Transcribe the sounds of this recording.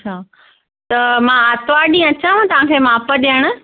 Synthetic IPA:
t͡ɕʰa | t̪ɐmãat̪ʋaːɗĩɐt͡ɕãt̪ɐʋ̤ãkʰeːmaːpəɗiəɽ̃ʊ̆

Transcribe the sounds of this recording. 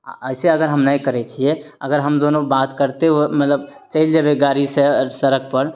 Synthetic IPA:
ɐɪseɐɡəɾɦɐmnəikəɾet͡ʃʰieɐɡəɾɦəmd̪oːnõbaːt̪kəɾt̪eɦuemɐt̪ləb̚ | t͡ʃəild͡ʒabeɡaːɾisesɐɾək̚ʰpəɾ

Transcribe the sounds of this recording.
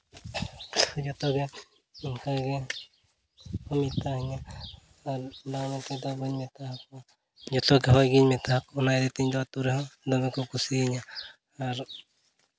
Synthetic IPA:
d͡ʒɔt̪ɔɡɛ | iŋkaɡɛ | hɔmit̪aɦiɲaː | ɾnamɛt̪ɛd̪abəɲmɛt̪aɦakɔ | d͡ʒɔt̪ɔɡɛɦɔjɡiɲmɛt̪aɦakɔɔnajd̪ɛt̪iɲd̪ɔat̪uɾɛɦɔ̃d̪ɔmɛkɔkusiɲa | aɾ

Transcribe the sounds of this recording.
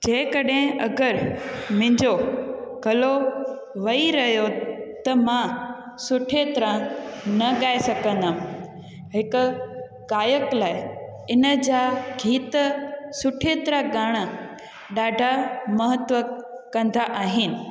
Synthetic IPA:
d͡ʑɐ̃ɦɪ̃kɐɗɦẽʔɐɡəɾmɪ̃ɲd͡ʑoɡɐlo | ʋɐiɾɐɦijot̪ɐmã | sʊʈʰet̪ɾãnɐɠaːesɐɡʱə̃nd̪aːm | ɦɪkʊ̆ | ɡaːjəklaːɪ | ɪnə̆d͡ʑaːɡʱiːt̪sʊʈʰet̪ɾaɠaːɽ̃ə | ɗaːɖʱamɐɦət̪ʋəkɐ̃nd̪aʔaːɦɪnɪ̆

